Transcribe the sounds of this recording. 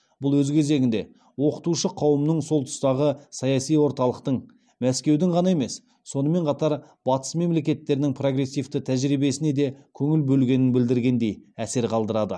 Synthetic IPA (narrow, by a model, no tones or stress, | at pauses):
b̥ʊlˠwɵzkʲʰe̞ze̞ɡʲɪnd̪e̞ | wo̞qə̥t̪uʃəqʰɑwəmnəɴso̞lˠt̪ʰʊ̥st̪ɑʁəsɑjɑsijwo̞ɾt̪ɑlˠəqt̪əɴ | mæskʲewd̪ɪɴʁɑnɑe̞me̞s | so̞nəme̞ɴqʰɑt̪ɑɾ | b̥ɑt̪ə̥sme̞mle̞kʲe̞t̪ːe̞ɾɪnɪŋpʰro̞ɡɾe̞sːijft̪ɪt̪ʰæʒɾibe̞sɪne̞d̪e̞kʲʰɵŋɪlbɵlɡʲe̞nɪnbɪld̪ɪɾɡʲe̞nd̪e̞jæse̞ɾqʰɑlˠd̪əɾɑd̪ə